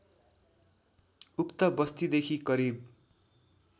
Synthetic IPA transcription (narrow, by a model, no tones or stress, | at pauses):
ukt̪ʌbʌst̪id̪ekʰikʌɾib